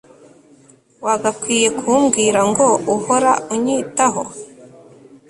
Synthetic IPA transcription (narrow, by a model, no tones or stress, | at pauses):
waɡakwiːje̞kʰumɡiːɾaŋɡo̞uhoɾa̰uɲiːtaɦo̰